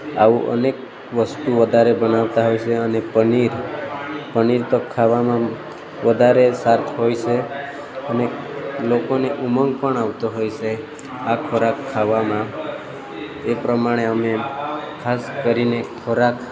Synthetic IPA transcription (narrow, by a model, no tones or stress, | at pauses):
a̰uʔə̰nek | ʋəst̪uʋəd̪ʱaɾebənaʋt̪aɦojt͡ʃʰeənepəniɾ | pəniɾt̪okʰːaʋamã | ʋəd̪ʱaɾesaɾt̪ʰɦojt͡ʃʰe | əne | lokoneʔuməŋɡpəɳaʋt̪oɦojt͡ʃʰe | akʰoɾakʰːaʋamã | epɾəmaɽ̃eəmekʰaskəɾinekʰoɾak